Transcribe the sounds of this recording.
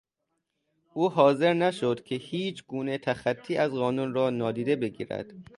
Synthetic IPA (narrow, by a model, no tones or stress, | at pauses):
ʔuːɦɒːze̞ɾnæʃod̪kʲʰehiːt͡ʃʰɡuːnet̪ʰæxæt̪ʰːiːæzɣɒːnunrɒːnɒːd̪iːd̪e̞be̞ɡḭːɾæ̰d̪̥